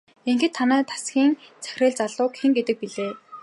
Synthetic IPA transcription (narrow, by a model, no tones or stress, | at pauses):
eŋxɘ̆t̪ʰːanæːt̪ʰḁsɡʲiːŋt͡sʰæ̥xʲrɘ̆ɮt͡saɮʊːkxĕŋɡet̪ɘ̆k̚piɮeː